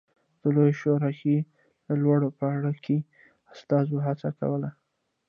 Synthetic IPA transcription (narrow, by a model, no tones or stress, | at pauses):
d̪̥əlojʃoɾɑke | d̪əlwaɽopəaɽike | ast̪ɑzoɦat͡saka̰wəla